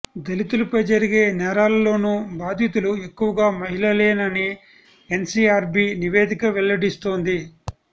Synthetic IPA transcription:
d̪elit̪ulɐpɐjd͡ʒɐɾiɡe̞ːnɛːɾaːlɐlo̞ːnubaːd̪ʱjit̪ulue̞kːuʋɐɡaːmɐɦilɐleːnɐni | ensiːaːɾbiːniʋeːd̪ʱikɐʋelːɐɽist̪oːnd̪i

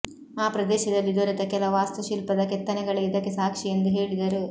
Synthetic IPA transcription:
aːpɾɐd̪eːʃɐd̪ɐlːid̪ɐɾɐt̪ɐkɛlɐʋaːst̪uʃilpɐd̪ɐkɛt̪ːɐnɛɡɐɭeid̪ɐkːesaːkʂijɐnd̪uɦeːɭid̪ɐɾu

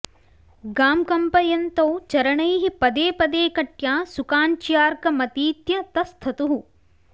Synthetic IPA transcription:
ɡaːmkɐmpɐjɐnt̪ɐwt͡ʃɐɾɐɳɐjɦipɐd̪eːpɐd̪eːkɐʈjaːsukaːɲt͡ʃjaːɾkɐmɐt̪iːt̪jɐt̪ɐst̪ʰɐt̪uɦu

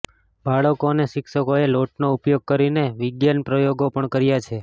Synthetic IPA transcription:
baɭəkoneʃɪkʃəkoeloʈnoupjoɡ̚kəɾineʋɪɡjanpɾəjoɡopəɳkəɾijat͡ʃʰe

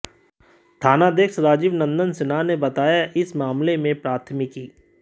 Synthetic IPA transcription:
t̪ʰaːnad̪eːkʃɾaːd͡ʒɪʋnɐ̃nd̪ənsɪnanebɐt̪aːjaʔɪsmaːmlemẽpɾaːt̪ʰmɪkiː

